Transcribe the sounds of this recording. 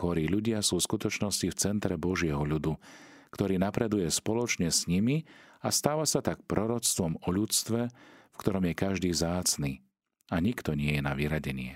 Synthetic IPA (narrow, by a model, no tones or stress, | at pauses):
xɔɾiːʎuɟɪasuːskut̪ɔt͡ʃnɔscift͡sɛnt̪ɾɛbɔʒɪɛɦɔʎud̪u | kt̪ɔɾiːnapɾɛd̪ujɛspɔlɔt͡ʃɲɛsɲimiast̪aːʋasat̪ak̚pɾɔɾɔt͡st̪ʋɔmɔʎut͡st̪ʋɛfkt̪ɔɾɔmjɛkaʒd̪iːvzaːt͡sniː | aɲikt̪ɔɲɪɛjɛnaʋiɾaɟɛɲɪɛ̰